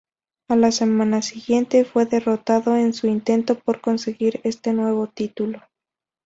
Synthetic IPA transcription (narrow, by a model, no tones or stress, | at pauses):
alase̞mãnasiɣje̞nt̪e̞fwe̞ðe̞ro̞t̪aðo̞e̞nsuint̪e̞nt̪o̞po̞ɾko̞nse̞ɣiɾe̞st̪e̞nwe̞β̞o̞t̪it̪ulo̞